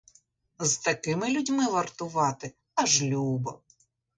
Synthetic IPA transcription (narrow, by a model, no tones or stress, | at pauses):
zt̪ɐkɪmɪlʲudʲmɪʋɐrt̪ʊʋɑt̪ɪ | ɐʒlʲubɐ